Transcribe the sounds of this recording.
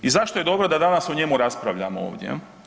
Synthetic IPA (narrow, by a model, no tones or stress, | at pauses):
izaʃt̪o̞je̞d̪o̞bɾod̪ad̪anasoɲe̞muɾaspɾaʋʎamoo̰ːʋd̪jḛ